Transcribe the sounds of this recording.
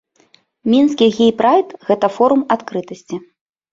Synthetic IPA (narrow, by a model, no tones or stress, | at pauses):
mʲinskʲiɣʲejpɾajt̪ɣɛt̪ɐfɔɾumat̪kɾɨt̪ɐsʲt͡sʲi